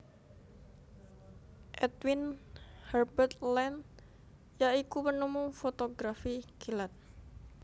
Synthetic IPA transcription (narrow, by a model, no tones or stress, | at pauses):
ʔɛt̪winhɛrbərt̪lɛn | jaikupənumufot̪oɡɾafikilat̪̚